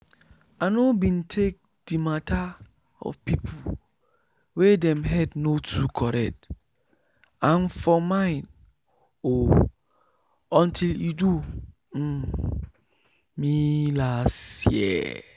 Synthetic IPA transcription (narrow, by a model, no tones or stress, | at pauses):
anobĩntʰek̚ | d̥imatʰa | ɔ̰vpipʰu | wedɛ̃mɦɛdnotʰukʰɔɾɛ̰k̚t | ãnfɔmãɪ̃n | o | ɔ̃ntʰiludu | milasijɛ̰